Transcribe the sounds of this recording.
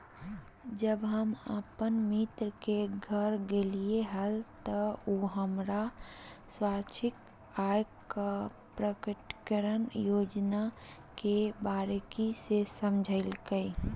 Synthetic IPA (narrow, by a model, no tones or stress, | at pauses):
d͡ʒəbɦəməpənmɪt̪ɾəkeɡʱəɾɡelieɦəlt̪əoːɦəmɾaswaːɾt͡ʃʰɪk | aːjka | pɾəkəʈkəɾənjoːd͡ʒna | kebaːɾekisesəmd͡ʒʱəɪlkəi